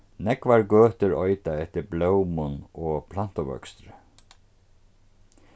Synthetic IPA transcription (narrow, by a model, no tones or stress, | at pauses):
nɛkvaɹɡøːt̪ʏɾɔʏt̪aɛht̪ɪɾblœwmʊnɔpʰlan̥t̪ʊʋœ̰kst̪ɾɪ